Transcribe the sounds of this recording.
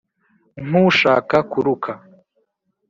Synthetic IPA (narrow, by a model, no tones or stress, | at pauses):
ŋ̥uːʃaːkakuɾukʰa